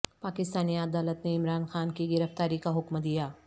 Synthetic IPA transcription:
paːkɪst̪aːniɐd̪aːlət̪neɪmɾaːnxaːnkiɡɪɾəft̪aːɾikaɦʊkmd̪ijaː

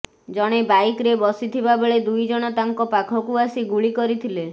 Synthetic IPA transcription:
d͡ʒɔɽ̃ebajkɾebɔsit̪ʰibabeɭed̪ujd͡ʒɔɽ̃ɔt̪aŋkɔpakʰɔkuasiɡuɭikɔɾit̪ʰile

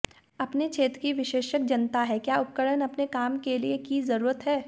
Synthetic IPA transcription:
ɐpnet͡ʃʰeːt̪ɾkiʋɪʃeːʃək̚d͡ʒɐnt̪aɦɛkjaːʊp̚kəɽənɐpnekaːmkeliekizɐɾuːɾət̪ɦɛː

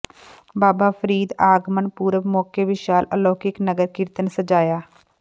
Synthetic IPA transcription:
baːbaːpʰəɾiːd̪aːɡmənpuːɾəbmɔːkeʋɪʃaːləloːkɪknəɡəɾkɪɾt̪ənsəd͡ʒaːjaː

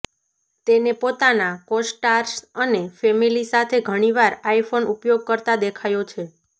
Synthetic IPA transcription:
t̪enepot̪anakosʈaɾsənefɛmilisat̪ʰeɡʱəɽ̃iʋaɾaifʰonupjoɡ̚kəɾt̪ad̪ekʰajot͡ʃʰe

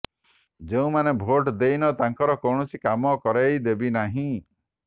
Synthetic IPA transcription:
d͡ʒeũmanebʱoʈd̪ejnɔt̪aŋkɔɾɔkɔwɳɔsikamɔkɔɾejd̪ebinaɦĩ

